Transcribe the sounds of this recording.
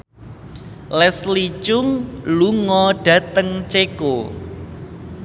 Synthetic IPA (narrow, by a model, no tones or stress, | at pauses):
lɛslit͡ʃʊŋluŋɔɖ̥ä̤t̪əŋt͡ʃeko